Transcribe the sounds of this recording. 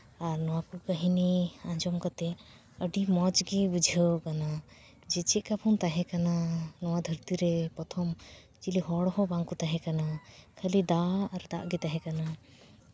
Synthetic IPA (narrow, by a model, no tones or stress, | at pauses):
aɾnɔwakukəɦiniand͡ʒɔmkat̪ɛ | əɖimɔt͡ʃɡibud͡ʒʱəkana | d͡ʒɛt͡ʃɛʔ̚kapʰɔnt̪aɦɛ̃kananɔwad̪ʱəɾt̪iɾɛpɔt̪ʰɔm | t͡ʃiliɦɔɽɔɦɔbaŋkut̪aɦɛ̃kanakʰəlid̪aaɾd̪aʔɡit̪aɦɛ̃kana